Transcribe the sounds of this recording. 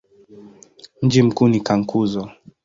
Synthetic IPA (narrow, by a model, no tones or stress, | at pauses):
m̩d͡ʒim̩kuːnikaŋ̩kuzɔ